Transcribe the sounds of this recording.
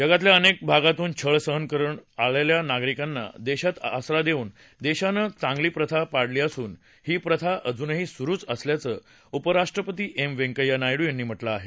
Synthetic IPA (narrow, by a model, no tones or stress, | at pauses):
jəɡat̪ljaənek̚bʱaɡat̪uːnt͡ɕʰəɭsəɦənkəɾuːɳaɭeljanaɡɾikanːa̰d̪eɕat̪asɾad̪euːn | d̪eɕanət͡sãŋɡliːpɾət̪ʰapaɽliːəsuːn | hiːpɾət̪ʰaʔəd͡zuːnɦiːsuɾuːt͡səsljat͡səː | upəɾaʂʈɾəpət̪iːʔemʋeŋkəjanajɽuːjanːiːm̤əʈlaːɦe